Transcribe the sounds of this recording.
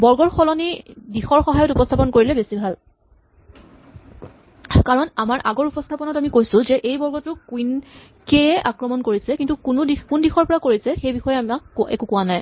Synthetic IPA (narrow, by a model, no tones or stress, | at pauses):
bɔɹɡɔɹxɔlɔnidixɔɹxɔɦajɔtupɔstʰapɔnkoɹilɛbesibʱal | kaɹɔnamaɹʔaɡɔɹupɔstʰapɔnɔtamikojsʊ̃zɛʔejbɔɹɡɔtʊkuin | keɛʔakɹɔmɔnkoɹisɛkintukʊnʊdikʊndixɔɹpɔɹakoɹisɛxejbixɔjɛamakːɛ̰kukʊwanaj